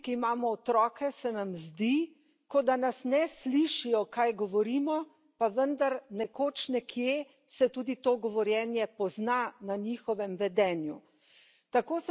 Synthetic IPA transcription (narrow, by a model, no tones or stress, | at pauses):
kiimaːmɔːt̪ɾɔːkɛsɛnamzd̪i | kod̪anasnɛsliʃijɔkajɡɔʋɔɾiːmɔ | paʋənd̪aɾnɛkoːt͡ʃnɛkʰje | sɛt̪uːd̪it̪oːɡɔʋɔɾjɛnjɛpɔznananiːxɔʋɛmʋɛd̪ɛːnju | t̪akoːs